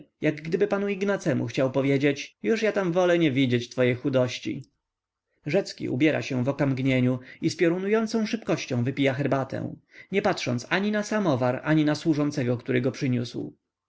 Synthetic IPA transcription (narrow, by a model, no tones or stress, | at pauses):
jaɡːd̪ɘbɘpanuiɡnat̪sɛmṵxt͡ɕawpɔvʲjed͡ʑet͡ɕjuʂjat̪amvɔlɛɲɛvʲid͡ʑet͡ɕt̪fɔjejxud̪ɔɕt͡ɕḭ | ʐɛt̪skʲḭʔṵbʲjɛɾa̰ɕɛ̃vɔkamɡɲeɲuispʲjɔɾunujɔnt̪sɔ̃w̃ʂɘpkɔɕt͡ɕɔ̃w̃vɘpʲijaxɛɾbat̪ʰɛ̰̃w̃ɲɛpatʂɔnt̪saɲinasamɔvaɾa̰ɲinaswuʐɔnt̪sɛɡɔkt̪uɾɘɡɔpʂɘɲṵsw